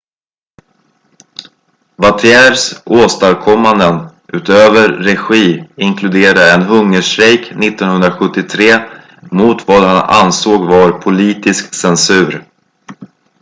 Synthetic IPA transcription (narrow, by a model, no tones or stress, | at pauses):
vat̪ʰɪɛːɾsoːst̪aɾkʰɔmːand̪ən | ʔʉ̟ːt̪øːvəɾːɛɧiːɪŋkʰlɵd̪eːɾaɛnɦɵŋːəʂɾɛjknɪt̪ːɔnhɵnd̪ɾaɧɵt̪ːɪt̪ʰɾeː | mʊt̪vaːd̪hana̰nsoːɡvaɾpʰʊliːt̪ɪsksɛnsʉ̟ːɾ